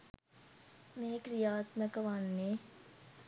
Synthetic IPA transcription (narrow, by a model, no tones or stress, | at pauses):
meɦekɾijaːt̪məkəʋanːe